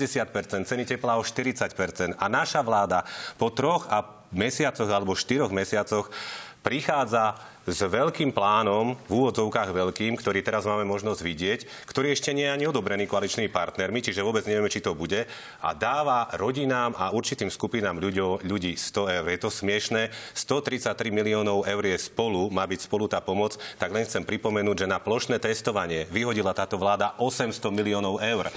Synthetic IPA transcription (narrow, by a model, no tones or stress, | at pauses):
ɟɛsɪat̪̚pɛɾt͡sɛnt̪t͡sɛnicɛplaɔʃt̪iɾit͡sacpɛɾt͡sɛnt̪anaʃaʋlaːd̪apɔt̪ɾɔɣa | mɛsɪat͡sɔɣalɛbɔʃt̪iɾɔɣmɛsɪat͡sɔxpɾixaːd͡za | zʋɛʎkiːmplaːnɔmvuːʋɔd͡zɔʊkaːɣʋɛʎkiːmkt̪ɔɾiːt̪ɛɾazmaːmɛmɔʒnɔzɟʋiɟɪɛc | kt̪ɔɾiːɛʃcɛɲɪɛjɛaɲiɔd̪ɔbɾɛniːkɔalit͡ʃnimipaɾt̪nɛɾmit͡ʃiʒɛʋʊɔbɛd͡zɲɛʋɛmɛt͡ʃit̪ɔbuɟɛ | a̰d̪aːʋaɾɔɟinaːmʔauɾt͡ʃit̪iːmskupinaːmʎuɟɔʊʎuɟiːst̪ɔɛʊɾjɛt̪ɔsmɪɛʃnɛːst̪ɔt̪ɾit͡sac̚t̪ːɾimiliɔːnɔʊɛʊɾjɛspɔlumaːbicspɔlut̪aːpɔmɔt͡st̪aɡlɛnxt͡sɛmpɾipɔmɛnuːɟʒɛnaplɔʃnɛːt̪ɛst̪ɔʋaɲɪɛʋiɦɔɟilat̪aːt̪ɔʋlaːd̪aʔɔsɛmst̪ɔmiliɔːnɔʊɛʊɾ